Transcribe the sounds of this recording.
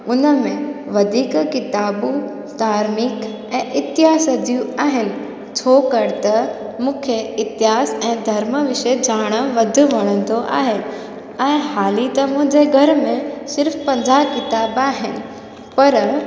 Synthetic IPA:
ʊnəmẽʋɐd̪ʱiːkkɪt̪aːbu | d̪aːɾmɪk | ɛ̃ːʔɪt̪ɪɦaːsəd͡ʑijũaːɦɪnɪ̆ | t͡ɕʰoːkɐɾt̪ɐ | mũːkʰeɪt̪ɪɦaːsɛ̃ːd̪ʱɐɾməʋɪʃed͡ʑaːɽ̃ə̆ʋɐd̪ʱʊ̆ʋɐɽ̃ə̃nd̪oʔa̰ːɦɪɪ̆ | ɛ̃ːɦaːlit̪ɐmʊ̃ɦɪ̃ɲd͡ʑeɡʱɐɾmẽsɪɾfpɐ̃ɲd͡ʑʱaːɦkɪt̪aːbaːɦɪnɪ̆ | pɐɾ

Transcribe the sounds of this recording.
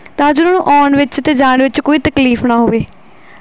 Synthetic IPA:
t̪ãːd͡ʒʊnoːnṵ̃ːʔɔːnʋɪt͡ʃət̪eːd͡ʒaːɳʋɪt͡ʃkoːiːt̪əkliːfnaːɦoːʋeː

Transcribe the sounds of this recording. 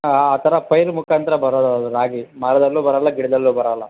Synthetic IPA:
aːt̪ʰɐɾɐpɐjɾmukʰaːnt̪ɐɾɐbɐɾɐːd̪ɐd̪uɾaːɡimaɾɐd̪ɐlːuːbɐɾɐlːɐɡiɽɐd̪ɐlːuːbɐɾaːlːɐ

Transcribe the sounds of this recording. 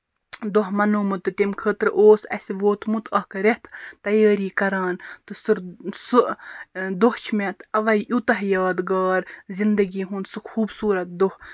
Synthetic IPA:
d̪oɦmɐnomɨt̪ɨt̪emkʰəːt̪ɾɨʔoːsɐ̰sʲiʋoːt̪mut̪ʰɐːkɾeht̪t̪ɐjɑːɾiːkɐɾaːnt̪ɨsɨɾsɨʔd̪oht͡ʃʰmet̪ʰɐʋɐjʔut̪ɐɦjɑːd̪ɡaːɾzind̪ɐɡiːɦunsɨkʰuːbsuːɾɐt̪̚d̪oh

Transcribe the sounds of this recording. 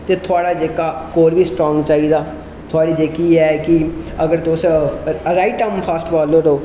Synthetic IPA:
t̪eːt̪ʰʊaːɽaːd͡ʒeːkaːkoːɾʋiːsʈɾɔ̃ːŋɡt͡ʃaːiːd̪aː | t̪ʰʊaːɽiːd͡ʒeːkiːɛːkɪəɡəɾt̪os | ɾaːɪʈːəmpʰəːsʈʋaːloːʈoː

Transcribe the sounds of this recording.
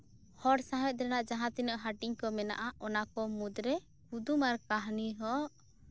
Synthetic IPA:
hɔɾsãɦɛt̪̚d̪ɾɛnaʔd͡ʒaɦãt̪inəʔɦaʈiɲkɔmɛna̰ʔaɔnakɔmud̪ɾɛ | hud̪umaɾkaɦniɦɔʔ

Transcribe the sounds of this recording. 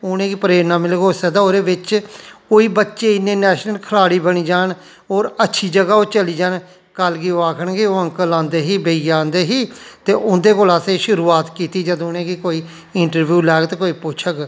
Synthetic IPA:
ʊnẽːɡiːpəɾeːɾnaːmɪlɡoːsəd̪aːoːɾeːʋɪt͡ʃkoːiːbətːʃeːɪnːẽːnɛːʃnəlkʰəlaːɽiːbəɽ̃iːd͡ʒaːn | oːɾətːʃʰiːd͡ʒəɡaːoːt͡ʃəliːd͡ʒaːn | kəlɡiːoːaːkʰəɳɡiːoːə̃ŋkəlãːnd̪eːɦiːbeijãːnd̪eːɦiːt̪eːʔʊnd̪eːkoːlaːseːʃʊɾuːaːt̪kiːt̪iːd͡ʒəd̪õnẽːɡikoːiː | ɪɳʈəɾʋjuːlɛːkt̪eːkoːiːpʊt͡ʃʰək

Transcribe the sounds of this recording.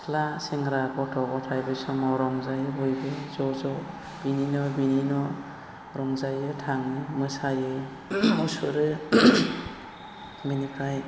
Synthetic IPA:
laseŋɾakɔtʰɔɡɔtʰajbɯjsɔmɔɾɔŋzajɯbɔjbɯzɔzɔ | b̥ininɔbininɔ | ɾɔŋzajɯtʰaŋɯmɯsajɯ | mɔsuɾɯ | binipʰaj

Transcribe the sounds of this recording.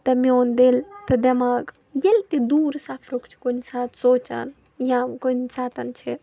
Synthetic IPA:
t̪ɐmeond̪elt̪ɐd̪ɐmaːɡ | jelt̪ed̪uːɾsaːpʰɾokt͡ʃʰi̥konisaːt̪ʰsoːt͡ʃɐ̰n | jãkonisaːt̪ɐnt͡ʃʰe

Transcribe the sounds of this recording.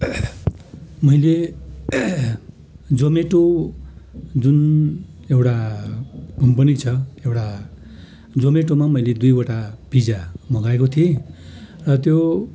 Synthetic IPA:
mʌjle | d͡zomeʈo | d͡zun | ewʈa | ɡʱʌmpʌnit͡sʰʌewʈa | d͡zomeʈomamʌjled̪ujwaʈab̥ʱid͡zamʌɡaekot̪ʰie | rʌt̪jo

